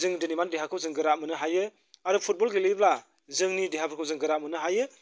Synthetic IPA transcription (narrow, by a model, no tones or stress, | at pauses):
zɯŋdɯnimandiɦakʰɯwzɯŋɡɯɾamɯnɯɦajɯ | aɾɯpʰut̚bɔlɡilibla | zɯŋnidiɦapʰɯɾkʰɯwzɯŋɡɯɾamɯnɯɦajɯ